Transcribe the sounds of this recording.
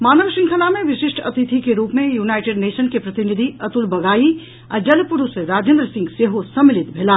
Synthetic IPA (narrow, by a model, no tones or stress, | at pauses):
maːnəʋʃɪ̃ŋkʰəlamẽʋɪʃɪʃʈʰɐt̪it̪ʰikeɾuːpmẽjuːnaːɪʈeɖneːʃənkepɾɐt̪ɪnid̪ʱiɐt̪ulbɐɡaːi | əd͡ʒɐlpuɾuseɾaːd͡ʒẽːnd̪ɾəsɪ̃ŋɡseɦosɐmːɪlɪt̪bʱeːla